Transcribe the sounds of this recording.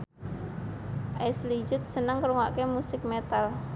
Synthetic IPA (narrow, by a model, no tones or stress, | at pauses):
ʔɛslid͡ʒʊt̪̚sənəŋkəɾuŋa̰ʔkemusɪk̚met̪al